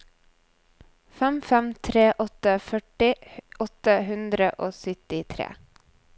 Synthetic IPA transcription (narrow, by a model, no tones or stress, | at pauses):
fɛmfɛmt̪ʰɾeːʔɔt̪əfœʈɪʔɔt̪əhʉnd̪ɾəʔoːsʏt̪ɪt̪ʰɾḛː